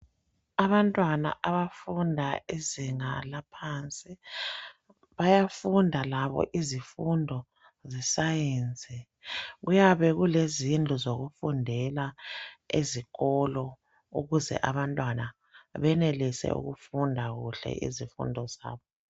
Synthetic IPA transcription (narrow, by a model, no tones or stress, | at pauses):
aβantʼwana̰ʔaβafundʱaeziŋalapʰant͡sʼi | βajafundʱalaβɔ̰ʔizifundʱɔ | zisajend͡zʱɛ | ɣujaβɛɣulezind͡ɮʱuzoɣufundʱɛlaeziɣɔlɔ | uɣuzɛ̰ʔaβantʼwana | βɛnelisɛ̰ṵɣufundʱaɣuɬɛ̰ʔḭzifṵndʱɔza̰ːβɔ